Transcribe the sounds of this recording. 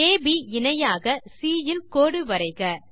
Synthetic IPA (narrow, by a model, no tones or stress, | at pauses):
eːbiɪnɐjaːɣɐsiːjɪlkoːɽɯʋɐɾɐɪɣɐ